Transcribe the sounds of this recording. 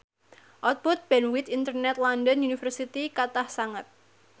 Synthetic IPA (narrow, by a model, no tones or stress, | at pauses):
ʔɔt̪̚but̪̚b̥ɛnwit̪int̪ərnɛt̪̚landənunifərsit̪ikat̪ahsaŋət̪̚